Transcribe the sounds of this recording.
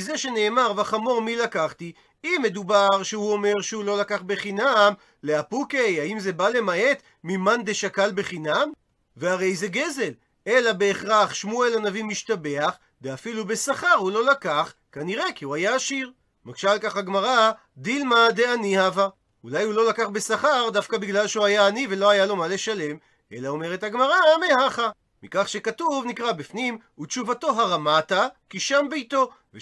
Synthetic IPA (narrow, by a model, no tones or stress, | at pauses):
izeʃe̞ne̞ːmaʁvaχamo̞ʁmilakaχt̪i | imːe̞d̪ubaʁʃehuo̞me̞ʁʃehulo̞lakaχbe̞χinam | le̞apukejaimze̞bale̞mae̞t̪ | mimand̪eʃakalbe̞χinam | veaʁe̞jze̞ɡeze̞l | e̞labe̞ːχʁaχʃmuelanavimiʃt̪abe̞aχ | deafilubesaχaʁhulo̞lakaχkaniʁe̞kiuajaːʃiʁ | maɡʃalkaχaɡmaʁa | d̪ilmad̪eanihava | ulajhulo̞lakaχbesaχaʁd̪afkabiɡlalʃeuajaːnive̞lo̞hajalo̞male̞ʃale̞m | e̞̰laome̞ʁethaɡmaʁameɦaχa | mikaχʃe̞katuvnikʁabifnim | utt͡ʃuvato̞ɦaʁamatakiʃambejto̞ | ve